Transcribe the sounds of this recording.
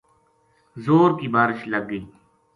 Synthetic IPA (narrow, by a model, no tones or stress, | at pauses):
zoːɾkiːbaːɾɪʃləɡːiː